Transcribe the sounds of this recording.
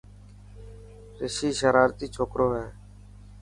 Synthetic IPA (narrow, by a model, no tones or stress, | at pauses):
ɾɪʃiːʃəɾaːɾt̪iːt͡ʃʰoːkɾoːɦɛː